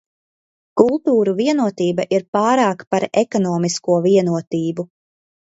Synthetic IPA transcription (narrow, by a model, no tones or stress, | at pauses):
kulˠt̪uːɾuviɛnuɔt̪iːbaʔiɾpaːɾaːkpaɾekɔnɔːmiskuɔviɛnuɔt̪iːbu